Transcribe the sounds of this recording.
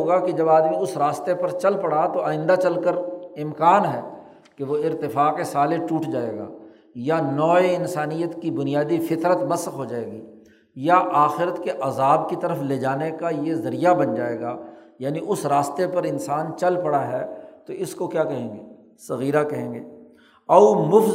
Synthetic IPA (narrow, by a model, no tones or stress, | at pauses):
oːɡaked͡ʒɐbaːd̪mĩʊsɾaːst̪epɐɾt͡ʃɐlpɐɽat̪oaːɪ̃nd̪at͡ʃɐlkəɾɪmkaːnɦɛː | keʋoɪɾt̪ɪfaːqesaːleʈuːʈʰd͡ʒaːeːɡa̰ː | janɔːeɪnsaːnijət̪kibʊnijaːd̪ifɪt̪ɾət̪mɐsxɦod͡ʒaːḛːɡiː | jaʔaːxɪɾət̪keʔɐzaːbkit̪ɐɾəfleːd͡ʒaːnekajezɐɾijabɐnd͡ʒaːeːɡaːjaːniʔʊsɾaːst̪epɐɾɪnsaːnt͡ʃɐlpɐɽaɦɛt̪oɪskokjaːkɐɦẽːŋɡeː | sɐɣiːɾakɐɦẽːŋɡeː | ɐumʊf